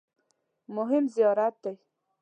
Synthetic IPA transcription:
mʊɦɪmzijɑɾat̪̚d̪aj

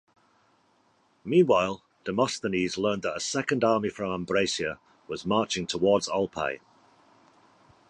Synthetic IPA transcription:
mĩːnwaɪlˠ | d̥əmɒstəniːzlɜ̃ːnðətəsɛkə̃ndɑːmifɹə̃mãmbɹeɪsiə | wɒzmɑˑt͡ʃɪ̃ŋtʰəwɔːdz̥alˠpʰḛɪ

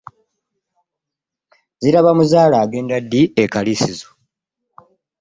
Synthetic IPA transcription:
ziɾaβamuzaːlaːɡe̞ːndadːiekalisizo̥

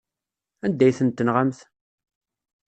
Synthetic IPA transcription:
ænd̪ːæjθənt̪ːənʁamθ

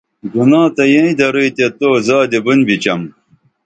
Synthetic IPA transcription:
ɡunãːt̪ɐjẽĩd̪ɐɾijt̪et̪oːzaːd̪ebunbit͡ɕɐm

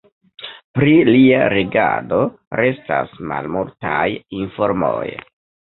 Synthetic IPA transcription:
pɾiliaɾeɡado̞ | ɾe̞stasmalmultajinfo̞ɾmoj

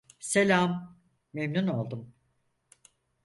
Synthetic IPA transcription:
selʲamː | emnuno̞lˠd̪um

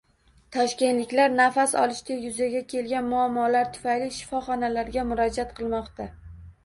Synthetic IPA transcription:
t̪ʰɒʃkʲe̞nt̪lɪkʲlaɾnafasɒ̰lˠɪʃd̪ajʊzaɡʲakʲʰe̞lɡʲanmʊamːɒlaɾt̪ʰʊ̥fajliʃɪ̥fɒχɒnalaɾɡʲamʊɾɒd͡ʒat̪̚qʰɨlˠmɒqt̪a

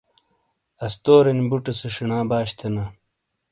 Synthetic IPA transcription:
ɐst̪oːɾɐnbuʈɐsɐʂiɳãːbaːɕt̪ʰɐna

